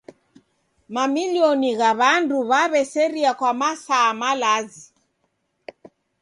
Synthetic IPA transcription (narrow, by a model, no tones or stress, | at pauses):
mamiliɔniɣaβanduβaβɛsɛɾiakwamasaːmalazi